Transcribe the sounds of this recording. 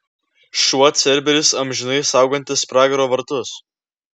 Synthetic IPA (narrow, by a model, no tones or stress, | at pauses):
ʃuɔt̪sʲɛɾʲbʲɛɾʲɪsɐmʲʒʲɪnɐɪsɑˑʊɡɐnʲt̪ʲɪspɾɑːɡʲɛɾoːʋɐɾt̪ʊs